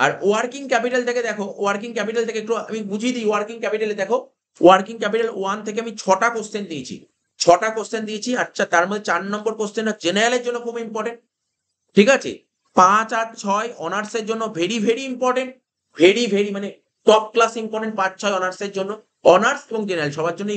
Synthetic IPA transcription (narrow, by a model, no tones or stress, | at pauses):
a̰ɾoaɾkiŋkɛpiʈalt̪ʰeked̪ɛkʰoaɾkiŋkɛpiʈalt̪ʰekeek̚ʈua̰mibud͡ʑʱid̪ijowaɾkiŋkɛpiʈaled̪ɛkʰo | oaɾkiŋkɛpiʈaloant̪ʰek̬eamit͡ɕʰɔʈakost̪end̪iet͡ɕʰḭ | t͡ɕʰɔʈakost̪end̪iet͡ɕʰiat͡ɕʰat̪aɾmod̪ʱet͡ɕaɾnɔmboɾkost̪enad͡ʑenaɾaleɾd͡ʑonːokʰubimpɔɾʈeɳʈ̚ | ʈʰikat͡ɕʰḛ | pãt͡ɕat͡ɕʰɔeɔnaɾseɾd͡ʑonːobʱeɽibʱeɽiimpɔɾʈeɳʈ̚ | bʱeɽibʱeɽimane | ʈɔk̚klasimpɔɾʈeɳʈ̚pãt͡ɕt͡ɕʰɔeɔnaɾseɾd͡ʑonːo | ɔnaɾseboŋd͡ʑenaɾalʃɔbʱaɾd͡ʑonːo